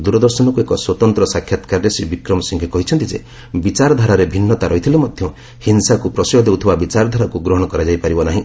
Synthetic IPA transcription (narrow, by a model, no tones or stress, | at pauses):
d̪uɾɔd̪ɔɾsɔnɔkuekɔswɔt̪ɔnt̪ɾɔsakʰjat̪kaɾɾesibikɾɔmɔsiŋkʰikɔɦit͡ʃʰɔnt̪id͡ʒḛ | bit͡ʃaɾɔd̪ʱaɾaɾebʱinːɔt̪aɾɔɦit̪ʰilemɔd̪ʱjɔ | hinsakupɾɔsɔjɔd̪ewt̪ʰibabit͡ʃaɾɔd̪ʱaɾakuɡɾɔɦɔɽ̃ɔkɔɾad͡ʒajpaɾibɔnaɦĩ